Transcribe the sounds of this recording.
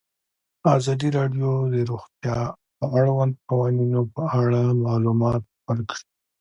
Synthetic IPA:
ɑzɑd̪iɾɑɖjod̪əɾuxt̪jɑ | əaɽwand̪̚qawɑninopəaɽamɑlumɑt̪̚wəɾkɽi

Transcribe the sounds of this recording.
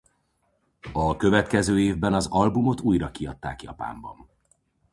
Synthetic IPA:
ɒkø̞vɛt̪kɛzøːeːvbɛnɒzɒlbumot̪uːjɾɒkiɒt̪ːa̰ːkjɒ̰pa̰ːmbɒ̰n

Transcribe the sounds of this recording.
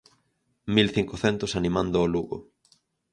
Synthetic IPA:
milθiŋkoθɛnt̪osanimãnd̪ʊːluɣo̰

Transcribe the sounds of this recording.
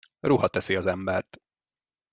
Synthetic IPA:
ruɦɒt̪ɛsiɒzɛmbɛrt̪

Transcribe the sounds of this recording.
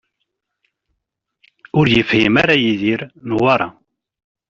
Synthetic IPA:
ʊɾjəfhimæɾajiðiɾnwɑɾˤɑ̰

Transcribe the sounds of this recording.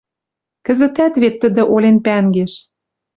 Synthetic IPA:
kə̆zə̆t̪æt̪βet̪ːə̆d̪ə̆ʔolʲenpæŋɡeʃ

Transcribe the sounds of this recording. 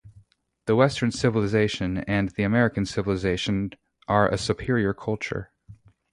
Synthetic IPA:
ðəwɛstə̃˞nsɪvəl̩ˠɨzeɪʃɨ̃nɨ̃nðiɨmɛɹɨkɨ̃n̩sɪvəl̩ˠəzeɪʃɨ̃n | ʔə˞ʔɨ̰sɨpʰɪɹiə˞kʰʌlˠt͡ʃə̰˞

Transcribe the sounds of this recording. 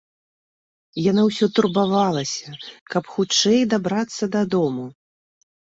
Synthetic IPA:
janawsʲɔt̪urbavalˠɐsʲɐkɐpxut͡ʂɛjd̪abɾat̪sːɐd̪ad̪ɔmu

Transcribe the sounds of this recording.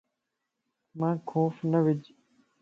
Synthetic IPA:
mãːkʰoːfnɐʋɪd͡ʑ

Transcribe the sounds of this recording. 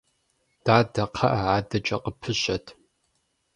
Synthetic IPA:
d̥aːdɐqʰɐʔɐʕaːdɐt͡ʃʼɐqəpʰɨɕɐtʰ

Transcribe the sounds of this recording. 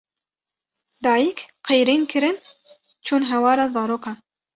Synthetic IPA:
d̪ɑːjikqejɾiːnkʰɨɾɨn | t͡ʃʰuːnɦɛwɑːɾɑːzɑːɾoːkɑ

